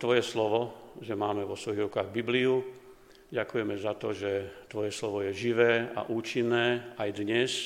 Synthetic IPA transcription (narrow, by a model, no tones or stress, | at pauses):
t̪ʋɔjɛslɔʋɔʒɛmaːmɛʋɔsʋɔjiɣɾukaːɣbibliu | ɟakujɛmɛzat̪ɔʒɛt̪ʋɔjɛslɔʋɔjɛʒiʋɛːa̰ʔuːt͡ʃinːɛːajd̪ɲɛs